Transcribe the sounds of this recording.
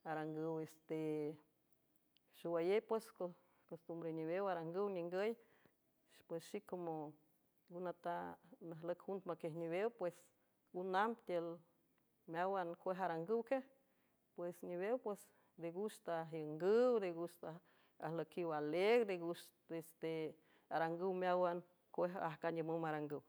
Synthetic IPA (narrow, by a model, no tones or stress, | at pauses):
aɾaŋɡɨwest̪e | ʃuwajepwesko | kost̪umbɾeniβewaɾaŋɡɨwɲʲiŋɡəj | pwesʃikomo | ɡunat̪anaɦləkhunt̪makehniβewpwes | ɡunampt̪ʲel | mjawankʷeɦaɾaŋɡɨwkeh | pwesɲiβewpwes | d̪eɡuʃt̪aɦjəŋɡɨwd̪eɡuʃt̪a | a̰hləkiwaleɡɾd̪eɡuʃ | est̪e | aɾaŋɡɨwmjawan | kʷeɦahkaɲəməmaɾaŋɡɨw